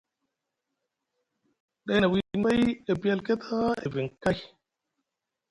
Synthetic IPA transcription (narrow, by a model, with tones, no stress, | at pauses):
ɗa˦na˨wi˦ma˦je˨bi˦ja˦lke˦t̪ʰa˦e˨vi˨ŋka˦j